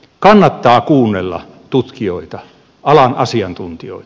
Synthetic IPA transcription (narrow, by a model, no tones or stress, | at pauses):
kɑnːɑt̪ːɑːkuːnːelːɑ̰ | t̪ut̪kio̰it̪ɑ | ɑlɑnɑsiɑnt̪unt̪io̰it̪